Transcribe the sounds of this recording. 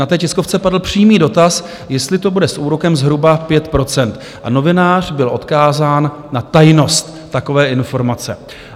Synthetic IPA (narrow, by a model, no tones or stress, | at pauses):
nat̪ɛːcɛsko̞ft͡sɛpadl̩pr̝̥iːmiːdo̞t̪as | jɛst̪lɪt̪o̞budɛsʔuːɾo̞kɛmzɦɾubapjɛt̪pɾo̞t͡sɛnt̪ | ʔa̰no̞vɪnaːr̝̥bɪlʔo̞t̪kaːzaːnː | at̪ajno̞st̪ːako̞vɛːʔɪnfo̞ɾmat͡sɛ̰